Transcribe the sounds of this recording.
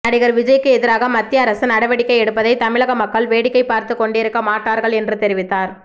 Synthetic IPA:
nɐɽɪɣɐɾʋɪd͡ʒɐjkːɯɛðɪɾaːɣɐmɐt̪ːɪjɐːɾɐsɯnɐɽɐʋɐɽɪkːɐɪɛɽɯpːɐðɐɪt̪ɐmɪɭɐɣɐmɐkːɐɭʋeːɽɪkːɐɪpːaːɾt̪ɯkːɔɳɖɪɾɯkːɐmaːʈːaːɾɣɐɭɛndrɯt̪ɛɾɪʋɪt̪ːaːɾ

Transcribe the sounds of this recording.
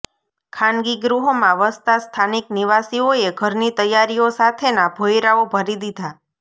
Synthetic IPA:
kʰãnɡiɡɾuɦomãʋəst̪ast̪ʰanikniʋasioeɡʱəɾnit̪əjaɾiosat̪ʰenabʱojɾaobʱəɾid̪id̪ʱa

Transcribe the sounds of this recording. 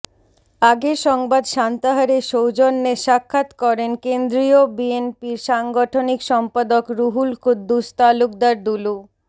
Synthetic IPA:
aɡeɾʃɔŋbad̪ʃant̪aɦaɾeʃowd͡ʑonːeʃakʰːat̪kɔɾenkend̪ɾiobienpiɾʃaŋɡoʈʰonikʃɔmpad̪okɾuɦulkʰud̪ːust̪aluk̚d̪aɾd̪ulu

